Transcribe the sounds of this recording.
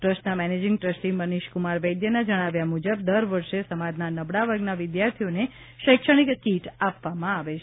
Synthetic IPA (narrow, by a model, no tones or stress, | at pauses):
ʈɾəsʈnamɛned͡ʒɪŋɡʈɾəsʈiməniʃkumaɾʋəjd̪jənad͡ʒəɽ̃aʋjamud͡ʒəb̚d̪əɾʋəɾʃesəmad̪nanəbɽaʋəɾɡnaʋɪd̪jaɾt̪ʰione | ʃəjkʃəɽ̃ikkiʈapʋamãaʋet͡ʃʰ